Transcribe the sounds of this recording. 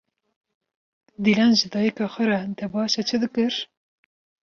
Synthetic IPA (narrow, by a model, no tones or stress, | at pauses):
d̪ilɑnʒɨd̪ɑːjikɑxʷɛɾɑd̪ɛbɑːʃɛt͡ʃʰɨd̪ɨkɨɾ